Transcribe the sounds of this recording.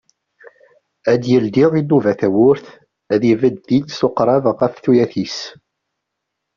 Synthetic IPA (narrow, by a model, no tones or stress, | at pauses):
æd̪jəld̪ɪʁinːuvæθæwʊɾθ | æðivəd̪θid̪soqɾˤɑvʁæfθujæθis